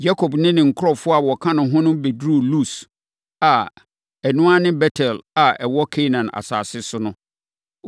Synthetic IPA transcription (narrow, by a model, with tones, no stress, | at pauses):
ja˦kʰo˨bnɪ̃˦nɪ̃˨ŋ̩˨kʰʊ˦ɾɔ˨fʊ˦a˨wɔ˨kʰã˦nʊ̃˨ɦʊ̃˦nʊ̃˦be˨dɾu˦˨lu˦˨s | a˨ | ɛ˨nʊ̃˦a˦nɪ̃˦bɛ˦tʰɛ˨la˨ɛ˨wɔ˦kʰe˦nã˨na̰˨sa̰ː˨sɪ˦sʊ˦nʊ̃˦